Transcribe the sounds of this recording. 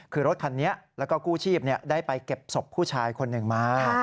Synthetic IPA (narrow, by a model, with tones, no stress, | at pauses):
kʰɯː˧ɾo˦˥t̪̚kʰa˧nːi˦˥ɐlɛ˦˥wkɔː˥˩kuː˥˩t͡ɕʰiː˥˩p̚ni˥˩ɐdaː˥˩jpa˧jke˨˩p̚so˨˩pʰːuː˥˩t͡ɕʰaː˧jkʰo˧nːɯ˨˩ŋmaː˦˥˩